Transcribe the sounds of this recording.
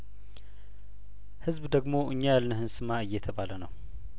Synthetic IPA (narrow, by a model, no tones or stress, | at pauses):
hɨzbd̪əɡmo̞ʔɨɲːajalnɨhɨnsɨmaɨjːɛt̪ʰəβalənəw